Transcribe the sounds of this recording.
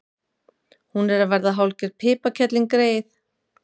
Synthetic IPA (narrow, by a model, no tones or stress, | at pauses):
hunɛɾavɛɾðaɦawlcɪɾ̥pʰɪːpacʰɛt̪liŋkɾeːjθ